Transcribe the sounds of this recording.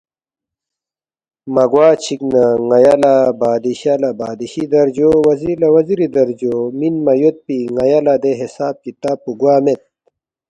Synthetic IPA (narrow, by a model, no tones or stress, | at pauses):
mɐɡwaːt͡ɕʰiknɐŋɐjalabaːd̪iɕalɐbaːd̪iɕid̪ɐɾd͡ʑowɐzilɐwɐziɾid̪ɐɾd͡ʑoːminmɐjot̪̚piŋɐjalad̪eɦisaːb̚kit̪aːpːuɡwaːmet̪̚